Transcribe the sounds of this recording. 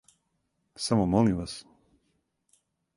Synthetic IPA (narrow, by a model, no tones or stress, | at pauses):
samomolimʋas